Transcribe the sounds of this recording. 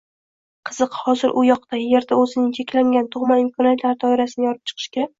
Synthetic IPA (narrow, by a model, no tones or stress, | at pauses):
qʰɨz̥ɨqhɒzɪɾʔʊjɒqt̪aje̞ɾd̪aɵzɪnɪŋt͡ʃʰekʲlaŋɡʲant̪ʰʊʁmanɪmkʰɒnat̪ʰlaɾɪd̪ʰɒɪɾasɪnɪjɒɾɪp̚t͡ʃʰɨ̥qʰɨ̥ʃkʲʰeɾakʲ